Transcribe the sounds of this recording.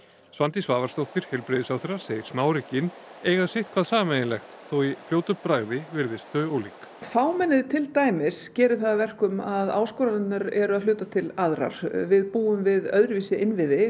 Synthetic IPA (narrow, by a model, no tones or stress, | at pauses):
svant̪isvaːvaɾ̥st̪owht̪ɪɾ̥hɛlpɾɪðɪsawθɛɾḁseːjɪɾ̥smaːwɾɪcɪn | ejɣaðsɪht̪̚kʰvaðsaːmɛjɪnlɛxt̪θowiflowt̪ʏpɾaɣðɪvɪɾðɪst̪œɔwliːk | faːwmɛnːɪðt̪ʰɪlt̪aːjmɪscɛːɾʏθaðavɛr̥kʏmaðaːwskɔːɾanɪnnaɾɛɾʏaðlʏːt̪at̪ʰɪlaðɾa̰ɾ̥vɪðpuːʏmvɪðœðɾɪviːsɪʔɪnvɪðɪ